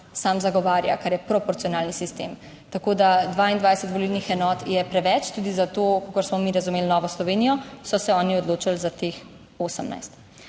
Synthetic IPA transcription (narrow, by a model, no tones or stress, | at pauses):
samzaɡɔʋaːɾja̰kaɾjɛpɾɔpɔɾt̪sijɔnaːlnisist̪ḛːm | t̪akoːd̪ad̪ʋaːind̪ʋaːjsət̪bɔlilnixɛnɔːt̪jɛpɾɛʋɛt͡ʃt̪uːd̪izat̪okakɔɾsmɔmiɾazumeːlnɔːʋɔslɔʋeːnijɔsɔsɛɔːniɔd̪loːt͡ʃalzat̪ex | oːsəmna̰jst̪